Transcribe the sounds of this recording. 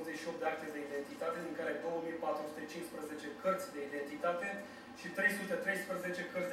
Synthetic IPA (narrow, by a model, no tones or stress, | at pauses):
zeʃio̞p̚d̪eak̚t̪ed̪e̞id̪e̞nt̪it̪at̪e̞d̪iŋkaɾeajd̪o̞wəmipat̪ɾusut̪e̞t͡ʃinspɾəze̞t͡ʃe̞kərt̪sʲd̪eid̪e̞nt̪it̪at̪e̞ | ʃit̪ɾe̞jsut̪e̞t̪ɾe̞jspɾəze̞t͡ʃe̞kərt̪